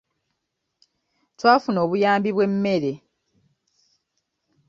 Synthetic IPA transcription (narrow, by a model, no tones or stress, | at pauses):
twaːfuno̞ːβujaːmbiβwe̞mːe̞ɾe̞